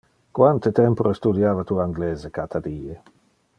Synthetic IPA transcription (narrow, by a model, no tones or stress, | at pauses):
kwant̪et̪ɛmpoɾest̪ud̪jaːvat̪uaaŋɡlɛːzekat̪ʰad̪iːe